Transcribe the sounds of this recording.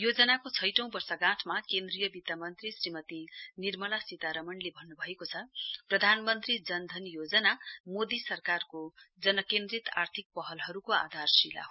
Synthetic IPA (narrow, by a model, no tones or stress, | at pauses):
jod͡zʌnakot͡sʰʌjʈʌ̃w̃bʌrsʌɡãʈʰmakend̪rijʌbit̪amʌnt̪risrimʌt̪inirmʌlasit̪aɾʌmʌnlebʱʌnːubʱʌekot͡sʰʌprʌd̪ʱanmʌnt̪rid͡zʌnd̪ʱʌnjod͡zʌnamod̪isʌrkarkod͡zʌnʌkend̪rit̪art̪ʰik̚pʌɦʌlɦʌɾukoa̰d̪ʱarsila̰ɦ